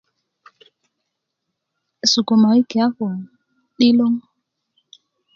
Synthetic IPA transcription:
su˨ko˨ma˨i˦kɛ˨a˦kɔ˨ | ɗi˦lo˦ŋ

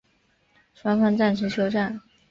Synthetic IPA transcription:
ʂwa˥nk̪ʰwa˥nt͡sa˥˩nʂ̩ʰ˧˥t͡ɕʰjo˥ʊʈ͡ʂa˥˩n

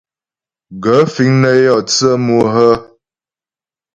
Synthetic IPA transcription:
ɡə˨˦fi˨˦ŋnə˦jɔ˦˨t͡sə˦mu˦ɦə˦

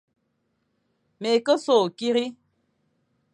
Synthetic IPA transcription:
me˨kə˦so˦˨ki˦ɾi˦

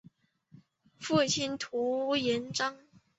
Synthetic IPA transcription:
fu˥˩t͡ɕʰi˥nt̪ʰu˧˥jɛ˨˧˥nʈ͡ʂɑ˥ŋ

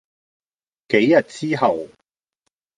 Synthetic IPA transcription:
ke˨˥jːɐ˨t̚t͡siː˥ɦɐ˨w

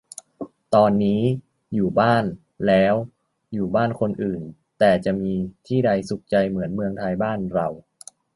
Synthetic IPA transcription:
t̪ɔː˧nːiː˦˥ | juː˨˩baː˥˩n | lɛː˦˥w | juː˨˩baː˥˩nkʰo˧nʔɯː˨˩n | t̪ɛː˨˩t͡ɕa˨˩ʔmiː˧t̪ʰiː˥˩da˧jsu˨˩k̚t͡ɕa˧jmɯ˩˦ənmɯ˧əŋt̪ʰaː˧jbaː˥˩nɾa˧w

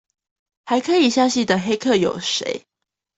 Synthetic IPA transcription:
xa˨˦ɪkʰɤ˧˦i˨˩ɕja˥˧ɕi˥˩d̪ə˨xe˥ɪkʰɤ˥˩jo˨˩ʊʂḛ˧˥ɪ

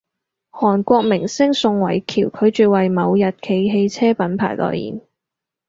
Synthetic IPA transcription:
hɔː˨˩nkʷɔː˧k̚mɪ˨˩ŋsɪ˥ŋsʊ˧ŋwɐ˨˩jkʰiː˨˩wkʰɵ˨˧ɥt͡ʃyː˨wɐ˨jmɐ˨˧wjɐ˨t̚kʰe˨˧jɦe˧jt͡sʰɛː˥pɐ˨˥npʰa̰ː˨˩jlɔ̰ː˨jḭː˨˩n

